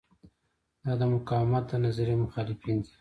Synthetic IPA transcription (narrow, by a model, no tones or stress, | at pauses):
d̪̥ɑd̪əmʊkɑwɪmat̪̚d̪ənazaɾemʊxɑlɪfind̪i